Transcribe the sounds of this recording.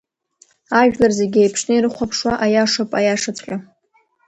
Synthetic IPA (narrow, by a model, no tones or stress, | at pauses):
aʒᶣlarzeɡʲejpʰʂnɨirɨχʷapʰʂwaʔajaʂɨpʼajaʂat͡sʰʼqʲʼa